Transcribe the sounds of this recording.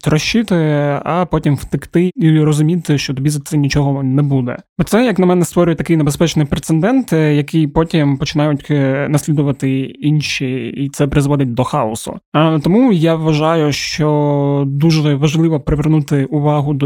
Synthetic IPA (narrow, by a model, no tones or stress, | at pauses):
t̪ɾɔʃːɪt̪ɪɐpɔtʲimft̪ɪkt̪ɪiɾɔzʊmʲit̪ɪʃt͡ʃɔt̪ɔbʲizɐtsɛnʲit͡ʃɔɦɔnɛbud̪ɛ̰ɔt̪sɛjɐknɐmɛnɛst̪ʋɔɾʲʊjɛt̪ɐkɪjnebespɛt͡ʃnɪjpɾet̪sɛnd̪ɛnt̪jɐkijpɔtʲimpɔt͡ʃɪnɑjʊtʲnɐsʲlʲid̪ʊʋɐt̪ɪinʃiit̪sɛpɾɪzʋɔd̪ʲɪt̚ʲd̪ɔxɑɔsʊ̰t̪ɔmujaʋʋɐʒɑjʊʃt͡ʃɔd̪uʒɛʋɐʒlˠɪʋɔpɾɪʋʲernut̪ɪʊʋɑɦʊd̪